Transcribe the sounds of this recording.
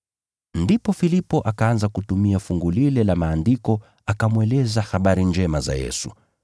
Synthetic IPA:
ndipɔfilipɔʔakaanzakutumiafuŋɡulilɛlamaːndikɔ | akamuɛlɛzahaɓaɾind͡ʒɛmaza̰jɛ̰su

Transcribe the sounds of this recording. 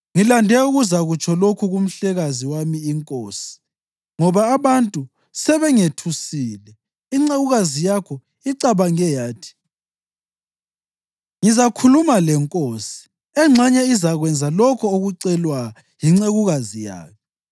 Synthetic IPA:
ŋilandʱɛuɣuzaɣut͡ʃʰɔlokʰuɣum̩ɬɛɣaziwamiːŋkʼoːsi̥ | ŋɔβaːβantʼu | sɛβɛŋetʰusiːlɛ | iŋ͡ǀeɣuɣazijakʰɔ | iǀaβaŋɛjaːtʰi̥ | ŋizakʰulumalɛŋkʼoːsi̥ | ɛŋ͡ǁʱaɲɛizaɣwɛnd͡zʱalɔkʰɔoɣuǀɛlwa | jiŋ͡ǀeɣuɣazija̰ːkʰɛ

